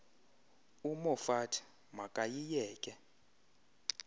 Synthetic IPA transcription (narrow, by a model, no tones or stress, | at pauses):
umɔfatʰ | makʼajijɛːkʼɛ